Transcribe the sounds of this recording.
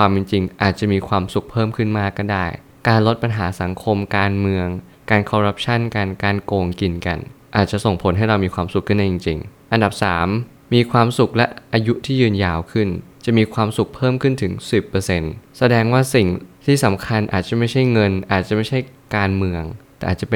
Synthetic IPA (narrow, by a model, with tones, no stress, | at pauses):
kʰwaː˧mji˧ŋt͡ɕi˧ŋʔaː˨˩t̪̚t͡ɕa˨˩ʔmiː˧kʰwaː˧msu˨˩k̚pʰɤː˥˩mkʰɯ˥˩nmaː˥˩kːa˥˩daː˥˩j | kaː˧nlo˦˥t̪̚pa˧nɦaː˩˦sa˩˦ŋkʰo˧mkaː˧nmɯ˧əŋ | kaː˧nkʰɔː˧ɾa˦˥p̚t͡ɕʰa˥˩nka˧nkaː˧nkoː˧ŋki˧nka̰˧nʔaː˨˩t̪̚t͡ɕa˨˩so˨˩ŋpʰo˩˦nɦa˥˩jɾa˧wmiː˧kwaː˧msu˨˩k̚ʰːɯ˥˩nda˧ji˧ŋt͡ɕḭ˧ŋʔa˧nda˨˩p̚saː˩˦mː | iː˧kʰwaː˧msu˨˩k̚lɛ˦˥ʔʔaː˧ju˦˥t̪ʰiː˥˩jɯː˧njaː˧wkʰɯ˥˩nt͡ɕa˨˩miː˧kʰwaː˧msu˨˩k̚pʰɤː˥˩˨mkʰɯ˥˩nt̪ʰɯ˩˦ŋsi˨˩pːɤː˧se˧nsa˧dɛː˧ŋwaː˥˩si˨˩ŋt̪ʰiː˥˩sa˩˦mkʰa˧nʔa̰ː˨˩t̪̚t͡ɕa˨˩ma˥˩jt͡ɕʰa˥˩jŋɤ˧nʔaː˨˩t̪̚t͡ɕa˨˩ʔma˥˩jt͡ɕʰa˥˩jkaː˧nmɯ˧əŋt̪ɛː˨˩ʔaː˨˩t̪̚t͡ɕa˨˩p